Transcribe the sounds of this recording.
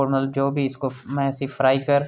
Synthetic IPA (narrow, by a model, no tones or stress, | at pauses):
oːɾməld͡ʒoːbʱiɪskomɛ̃ːɪsifɾaːikəɾ